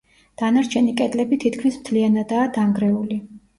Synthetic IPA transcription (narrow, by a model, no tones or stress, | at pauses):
d̪̥anaɾt͡ʃʰɛnikʼɛd̪lɛbit̪ʰit̪ʰkʰmismt̪ʰlianad̪aːd̪aŋɡɾɛuli